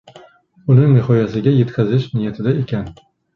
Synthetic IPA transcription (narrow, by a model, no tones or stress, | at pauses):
ʊnɪŋnɪhɒjasɪɡʲaje̞t̪kʲʰazɪʃnɪjat̪ʰɪd̪aekʲʰan